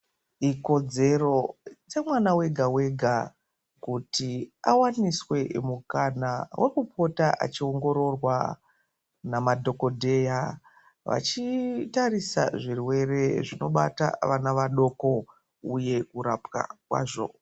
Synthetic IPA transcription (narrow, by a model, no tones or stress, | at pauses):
iko̞d͡ze̞ro̞t͡se̞mwanawe̞ɡʱawe̞ɡʱa | kutia̰waniswe̞mukanawʔe̞kupʰo̞taʔa̰t͡ʃio̞ŋɡo̞ɾo̞rwa | namadʱo̞ko̞dʱe̞ja | ʋa̰t͡ʃitarisa̰ʐirwe̞re̞ʐino̞ɓa̰ta̰ʋanaʋaɗo̞ko̞ | uje̞kuɾapka̰kwa̰ːʐo̞̰